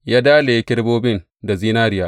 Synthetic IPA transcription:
jaː˦daː˦leː˨˦kʲɪ˦ɽboː˦bɪ˦n | da˨ziː˦naː˦ɾɪ˦jaː˦ʔ

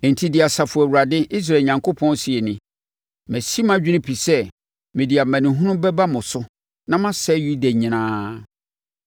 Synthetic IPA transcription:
n̩˨tʰi˦dɪ˨a˨sa˨fʊ˨æ˨wu˨ɾa˨dɪ˦ʔi˦s̬ɾa˨ɲã˨ŋkʰo˦pʰɔ̃˦n˦si˨ɛ˨nɪ̃˨ | mæ̃˨si˦mã˦d͡ʑᶣi˦nɪ̃˦pʰi˨sɛ˦ | mɪ̃˨di˨a˨mæ̃˨nɪ̃˨ɦũ˦nʊ̃˦bɛ˦ba˦mʊ̃˨sʊ˦ | nã˦mã˦sɛ˦ju˦dæ˨ɲĩ˨nãː˦

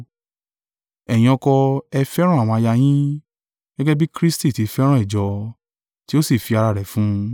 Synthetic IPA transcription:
ɛ˨jĩ˧ɔ̃˧kɔ˧ɛ˧fɛ˦ɾ̃ɔ̃˦˨w̃ɔ̃˧a˧ja˧j̃ĩ˦ | ɡ̥ɛ˦ɡɛ˦bi˦kɾi˦sti˦˨ti˨˧fɛ˦ɾã˦i˦˨d͡ʒɔ˧ | ti˦o˦si˦˨fi˧a˧ɾa˧˨ɾɛ˨fũ˦

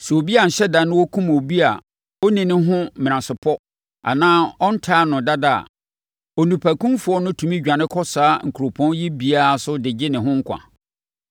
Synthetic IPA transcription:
sɛ˨o˨bi˦a˨ɲ̩˨ɕɛ˦da˨nʊ̃˦wɔ˦kʰũ˦m˨o˨bi˦a˨ | ɔ˦nĩ˨nɪ̃˦ɦʊ̃˦mɪ̃˨n˨ã˨sɪ˨pʰɔ˦ | a̰˨nãː˦ɔ˦n̩˦tʰaː˦nʊ̃˨da˦da˨a̰˨ | ɔ˨nũ˨pʰæ˨kʰũ˦mfʊ˨˦ɔ˦nʊ̃˦tʰũ˨mĩ˦d͡ʑᶣã˨nɪ̃˦kʰɔ˦saː˦ŋ̩˨kʰu˨ɾo˨pʰɔ̃˦njɪ˦bi˨a˨a˨sʊ˦dɪ˨d͡ʑɪ˦nɪ̃˨ɦʊ̃˦ŋ̩˦kʷʰã̰˨

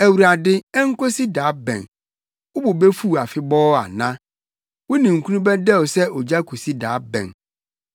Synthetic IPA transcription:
æ˨wu˨ɾa˨dɪ˦ɛ˦ŋ̩˦ko˦si˦daː˨˦bɛ̰̃˨n | wʊ˦bʊ˨bɛ˦fu˦˨a˨fɪ˦bɔː˦a̰˨nã˦ | wʊ˦nĩ˨ŋ̩˨kʰũ˦nũ˦bɛ˦dɛ˦˨ɔ˨sɛ˦ʔɔ˨d͡ʑa˦kʰo˨si˦da̰ː˨˦bɛ̰̃˨n

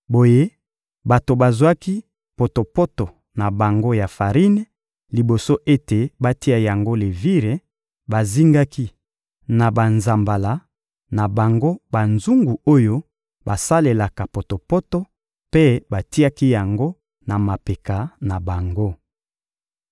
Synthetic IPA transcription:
bo˨je˦ | ba˨to˨ba˨zwa˦ki˦ | po˨to˨po˦to˨ | na˨ba˨ŋɡo˦ja˨fa˨ʁi˦ne˦ | li˨bo˨so˦ʔe˦te˨ba˦ti˦a˨ja˨ŋɡo˦le˨vi˦ʁe˨ | ba˨zi˦ŋɡa˦ki˦ | na˨ba˨nza˨mba˨la˨ | na˨ba˨ŋɡo˦ba˨nzu˦ŋɡu˨o˦jo˦ | ba˨sa˦le˨la˨ka˨po˨to˨po˦to˦ | pe˦ba˨ti˦a˦ki˦ja˨ŋɡo˦ | na˨ma˨pe˨ka˨na˨ba˨ŋɡo˦

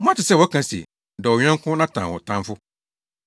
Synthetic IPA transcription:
mɔ̃˦a˦tɪ˨sɛ˦˨wɔ˦kʰã˨sḭ˨ | dɛ˨wɔ˨ɲᶣ˦ã˦ŋkʰʊ̃˦nã˦tʰã̰˨wɔ̰˨tʰã˦mfʊ˦

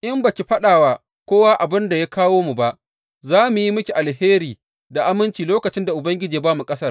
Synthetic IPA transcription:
ʔɪ˦mba˨kʲi˨ɸɐ˦ɗaː˨waː˨ | kʷoː˦waː˦ʔa˨bɪ˦nda˨ja˦kaː˦woː˦mu˨ba˦ʔ | zaː˦mu˨ji˦mʊ˦kʲi˨ʔa˨lheː˦ɾiː˨ | da˨ʔa˦mɪ˦nt͡ʃiː˨loː˦kɐ˨t͡ʃɪ˦nda˨ʔʊ˨bɐ˦ŋɡʲɪ˦d͡ʒiː˨baː˦mu˨kʼɐ˦sɐ˦r

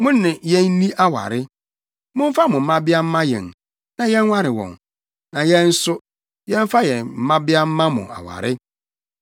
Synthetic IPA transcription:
mʊ̃˦nːɪ̃˨jɛ̃˦n̩ː˦nĩ˦ʔa˦wa̰˨ɾɪ˦ | mʊ̃˦m̩˦fa˦mʊ̃˨m̩˨˦mã˦bɪ˦a˦m̩˦mã˦jɛ̰˨n | nã˨jɛ̃˦n˦wa˦ɾɪ˨wɔ̰̃˨n | nã˨jɛ̃˦n̩˦sʊ˦ | jɛ̃˦m̩˦fa˦jɛ˨m̩˨mã˦bɪ˦a˦m̩˦mã˦mʊ̰̃˨a̰˨wa̰˨ɾɪ˦

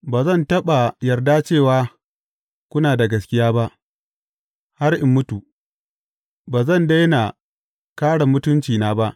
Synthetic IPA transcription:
baː˨zɐ˦˨ntɐ˦ɓa˨jɐ˨rdaː˦t͡ʃeː˦˨waː˦ | kʷʊ˦naː˨da˨ɡɐ˨skʲɪ˦jaː˦ba˦ʔ | ha˦rʔɪ˨mːʊ˦tu˨ | baː˨zɐ˦˨nda˦jna˨ | kaː˦ɽa˨mʊ˦tʊ˦nt͡ʃiː˨naː˦ba˦ʔ

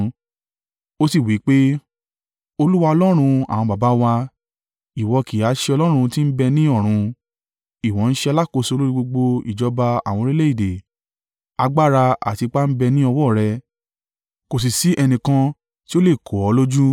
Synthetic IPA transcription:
o˦si˦˨wi˨˦k͡pe˦ | o˧lu˦wa˧ɔ˧lɔ˦ɾ̃ũ˧a̰˨w̃ɔ̃˧ba˨ba˨˦wa˧ | i˨wɔ˧ki˨a˨˦ʃɛ˧ɔ˧lɔ˦ɾ̃ũ˧ti˦n̩˦bɛ˧nĩ˦ɔ˦˨ɾ̃ũ˧ | i˨wɔ̃˨˦n̩˦ʃɛ˦˧a˧la˦ko˧˨so˧lo˦ɾi˦ɡ͡bo˧ɡ͡bo˧ḭ˨d͡ʒɔ˧ba˧a˨w̃ɔ̃˧ɾi˦le˦i˦˨de˨ | a˧ɡ͡ba˦˨ɾa˧a̰˨ti˧k͡pa˦m̩˦bɛ˧nĩ˦ɔ˧wɔ˦˨ɾɛ˧ | ko˨s̬i˨si˨˦ʔɛ˧nĩ˨kã˧ | ti˦o˦le˦˨kʰo˨ɔ˨˧˦lo˦d͡ʒu˦

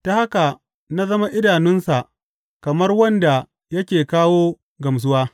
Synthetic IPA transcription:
ta˨ha˦ka˨ | na˦zɐ˦ma˦ʔɪ˦daː˨nɪ˦nsa˨ʔ | kɐ˨mɐ˦rwɐ˦nda˨ | jɐ˦kʲeː˨kaː˦woː˦ | ɡɐ˨ms̬ʊ˦waː˦

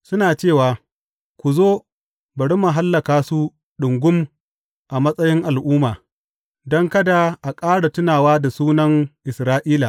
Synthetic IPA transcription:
sʊ˦naː˨t͡ʃeː˦˨waː˨ | kʷʊ˨zoː˦ | bɐ˨ɽi˦ma˨ɦa˦lːɐ˨kaː˨su˦ | ɗʊ˨ŋɡʷʊ˦m | ʔa˨mɐ˦sʼɐ˦jɪ˦ŋʔa˨lʔʊː˦maː˨ | dɔ˦ŋkɐ˦da˨ʔa˨kʼaː˦ɽa˨tʊ˦naː˨waː˦da˨suː˦nɐ˦ŋʔɪ˨sɾaː˦ʔiː˦la˨

